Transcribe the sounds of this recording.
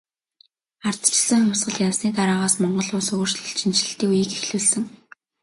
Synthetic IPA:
art̪̆t͡ɕ̆sə̆ŋχʊwʲsɢə̆ɮjawsniːt̪aɾaːʁaːsmɔɴɢɞ̆ɮʊːsʊɣ̆r̥ʃɮə̆ɬt͡ɕʰint͡ɕɮɘ̆ɬt̪iːujiːkexɮuːɮsɘ̆ŋ

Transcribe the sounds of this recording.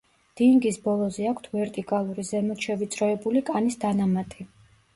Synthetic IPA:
d̪̥iŋɡisbɔlˠɔzɛakʰt̪ʰvɛɾt̪ʼikʼalˠuɾizɛmɔt̪ʃɛvit̪sʼɾɔɛbulikʼanisd̪anamat̪ʼi

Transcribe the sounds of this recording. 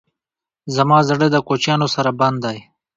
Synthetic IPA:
zamɑːzaɽəd̪əkot͡ʃjɑnosaɾaband̪aj

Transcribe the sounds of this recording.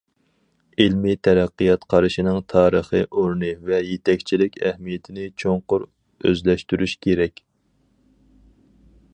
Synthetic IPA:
ɪlmit̪ʰɛɾɛqːɨjɑt̪qʰɑɾɨʃinɨŋt̪ʰɑːɾəχəʔoɾnɨvɛjet̪ʰɛkʲt͡ʃʰilɪkʲɛhmijet̪ʰɪnɪt͡ʃʰoŋqʊɾ | ø̰zlɛʃt̪yɾyʃkʲʰeɾɛkʲ

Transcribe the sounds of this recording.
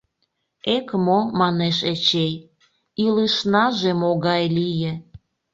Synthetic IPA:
ekmomɑneʃet͡ɕej | iləʃnɑʒemoɣɑjlijĕ

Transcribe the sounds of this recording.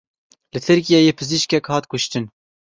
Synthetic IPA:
lɨt̪ʰɨɾkijɑjeːpʰɨziʃkɛkhɑːt̪kʊʃt̪ɨn

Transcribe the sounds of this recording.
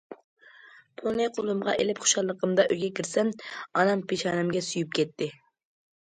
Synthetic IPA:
pʰonɨjqʰolˠumʁɑʔelɪpχo̥ʃɑlˠːəqəmd̪ɑʔøjɡʲɛkʲʰiɾsɛnɑnɑmpʰeʃɑːnɨmɡʲɛsujyp̚kʲɛt̪ʰːɪ

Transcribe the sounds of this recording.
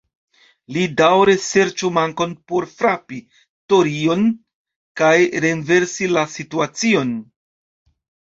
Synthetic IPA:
lidawɾese̞ɾt͡ʃumaŋko̞npo̞ɾfɾapi | to̞ɾio̞n | kajɾe̞nve̞ɾsilasituat͡sio̞n

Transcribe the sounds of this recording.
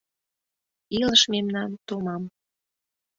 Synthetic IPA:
iləʃmemnɑnt̪omɑm

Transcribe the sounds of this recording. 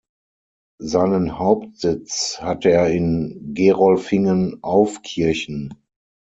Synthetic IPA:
zaɪnənhaʊp̚tz̥ɪt͡shateːɐɪnɡeːʁɔlfɪŋənʔaʊfkʰɪɐçn̩

